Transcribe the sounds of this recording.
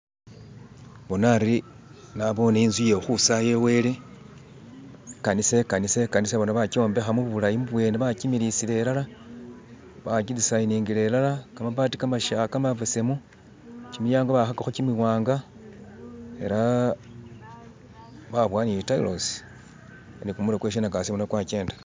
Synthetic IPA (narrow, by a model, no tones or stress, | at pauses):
βo̞naɾi | naβo̞neinzwijexusaje̞we̞le̞ | kanise̞kanise̞kaniseβo̞naβakio̞ːmbe̞xamuββulajimuβwe̞ːneβakimiɾisile̞lala | βakid͡zisainiːŋɡile̞lalakamapatikamaʃakamavesemu | cimijaːŋɡoβaxakaxucimwiwaːŋɡa | e̞̰ɾa | βaβwaːniitaḭlos | nikumulokweʃ̬enakasimunakwake̞ːndḁ